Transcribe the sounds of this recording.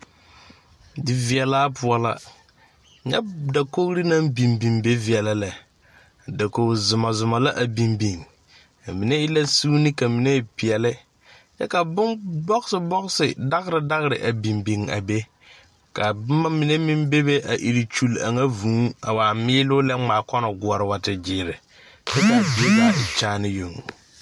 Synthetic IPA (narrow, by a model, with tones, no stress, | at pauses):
dɪ˨vi˨ɛ˨laː˦pʊ˦a˨la˦ | ɲa̰˦da˨ko˦ɣɾi˦nã˦mbi˨mbi˨mbe˦vi˨ɛ˨la˦la˨ | da˨ko˨zʊ˨ma˨zʊ˨ma˨la˦ʔa˨bi˨mbi˨ŋ | a˨mi˨ne˦ɪ˦la˦su˦ni˦ka˨mi˨ne˦˨pi˨ɛ˨lɪ˦ | jɛ˦ka˨bʊ˦nbɔ˦ɡsɪ˨bɔ˦ɣsɪ˨da˦ɣɾɪ˨da˦ɣɾɪ˨ʔa˨bi˨mbi˨ŋa̰˨be˦ | ka˨bma˦mɪ˨ne˦mɪ˦mbe˦be˦ʔa˨ʔi˨ɾi˨t͡ʃu˦la̰˨ŋa˦vũː˨˦a̰˨waː˨mɪː˦lʊ˦lɛ˦ŋ͡maː˨kɔ˦nɔ˨ɡʊ˨ɔ˨ɾɪ˦wa˦tɪ˨d͡ʒɪː˨˦˨ɾɪ˨ | t͡ʃɛ˦ka˨bi˨˦e˦ka˨ɪ˨t͡ʃaː˦nɪ˦jo˨ŋo˨